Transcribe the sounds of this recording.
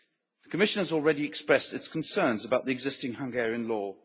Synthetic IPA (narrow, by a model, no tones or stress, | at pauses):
ðəkʰəmɪʃə̃nəzɔːlˠɹɛdiɛkspɹɛstɪtskʰə̃nsɜːnzəbaʊʔðiɨɡzɪstɪ̃ŋhʌ̃ŋɡɛːɹiə̃nlɔː